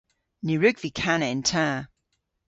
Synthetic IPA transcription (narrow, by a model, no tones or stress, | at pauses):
niɹʉɡvikʰanəɪ̃ntʰã